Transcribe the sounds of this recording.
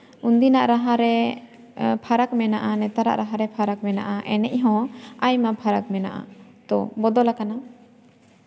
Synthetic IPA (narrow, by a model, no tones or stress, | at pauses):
und̪inaʔɾaɦaɾɛ | pʰaɾakmɛnaʔanɛt̪aɾa̰ʔɾaɦaɾɛpʰaɾak̚mɛna̰ʔaʔɛnɛʔɦɔ̃ajmapʰaɾak̚mɛna̰ʔa̰t̪ɔ̰bɔd̪ɔlakana